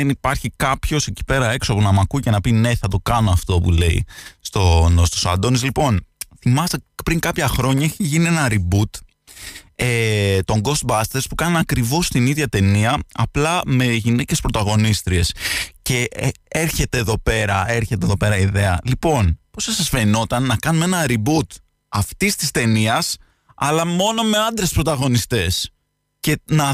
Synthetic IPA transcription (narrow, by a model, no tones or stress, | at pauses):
enipɐɾçikɐpço̞se̞ci̥pe̞ɾɐe̞ksoɐpunɐmɐkuice̞nɐpine̞θɐt̪o̞kɐno̞ɐft̪o̞pule̞ḭst̪onst̪osɐ̰d̪o̞nizlipo̞nθimɐst̪epɾiŋkɐpçɐxɾo̞ɲɐeçiʝinie̞nɐɾibut̪ | et̪o̞ŋɡo̞st̪̚bɐst̪e̞ɾspukɐnɐkɾivo̞st̪iniðʝɐt̪e̞niɐɐplɐme̞ʝinece̞spɾo̞t̪ɐɣo̞nist̪ɾie̞sce̞eɾçe̞t̪e̞ːðo̞pe̞ɾɐeɾçe̞t̪eðo̞pe̞ɾɐiðe̞ɐlipo̞npo̞sɐsɐsfeɾino̞t̪ɐnːɐkɐnume̞nɐɾibut̪ | ɐft̪ist̪i̥st̪e̞niɐs | ɐlɐmo̞no̞me̞ɐnd̪ɾe̞spɾot̪ɐɣo̞nist̪e̞s | ce̞nɐ